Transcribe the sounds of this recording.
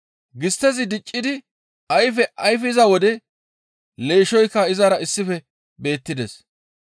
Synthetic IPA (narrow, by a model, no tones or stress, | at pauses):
ɡɪst̪ːɛzɪd̪ɪt͡ʃʼːɪd̪ɪ | ɐjfɛʔɐjfɛɪzɐwɔd̪ɛ | le̞ːʃɔjkːɐɪzaɾɐɪsːɪfɛ | be̞ːt̪ːɪd̪ɛs